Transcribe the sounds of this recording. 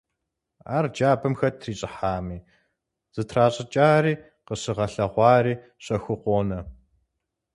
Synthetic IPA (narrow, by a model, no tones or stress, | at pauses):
a̰ːrd͡ʒaːbɨmxɐtʰriːɕʼɪħaːmiː | z̥ɨtʰraːɕʼɐt͡ʃʼaːriː | qəɕɪʁɐɬɐʁʷɑːriː | ɕʼɐxʷɨqʷoːnɐ